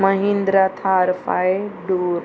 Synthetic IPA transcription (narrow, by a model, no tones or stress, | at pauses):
mɐɦĩnd̪ɾat̪ʰaːɾfaeɖoːɾ